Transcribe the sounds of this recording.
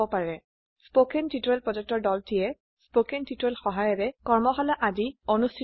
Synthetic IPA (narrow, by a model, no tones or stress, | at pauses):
ɔpaɹɛ | spokɛntituɹɛlpɹɔzɛk̚tɔɹdɔltijɛ | spokɛntʰituɹɛlxɔɦajɔɹɛkɔɹmɔxɔlɔʔazionustʰi